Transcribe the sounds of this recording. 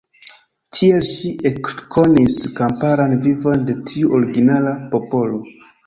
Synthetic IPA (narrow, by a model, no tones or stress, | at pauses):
tʰie̞lʃiʔekkʰo̞niskampaɾanvivo̞nde̞tʰiuʔoɾiɡinalapo̞po̞lo̞